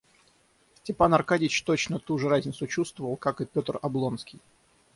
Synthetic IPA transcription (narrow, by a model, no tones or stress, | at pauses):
sʲtʲɪpanɐrkadʲɪt͡ɕt̪ot͡ɕnət̪uʐɨɾazʲnʲɪt̪sʊt͡ɕust̪vəvəlˠkakɨpʲo̞t̪rɐblˠo̞nskʲɪj